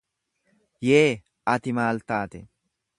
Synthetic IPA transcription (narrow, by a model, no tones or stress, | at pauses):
jeː | ʔɐt̪ɪmaːlt̪aːt̪ɛ